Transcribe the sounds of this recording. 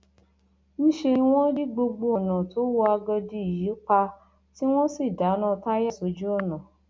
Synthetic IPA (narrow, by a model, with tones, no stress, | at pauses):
nĩ˦ʃe˧nĩ˧w̃ɔ̃˦di˦ɡ͡bo˧ɡ͡bo˧ɔ˨nã˨tʰo˨˦wɔ˧a˧ɡɔ˧di˧i˦˨ji˨˦k͡pa˧ | ti˦w̃ɔ̃˦si˦˨da˨˦nã˦˧ta˦jɛ˦˨so˨˦d͡ʒu˦ɔ˦˨nã˨